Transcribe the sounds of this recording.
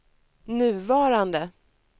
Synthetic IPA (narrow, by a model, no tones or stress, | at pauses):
nʉ̟ːvɑːɾand̪ə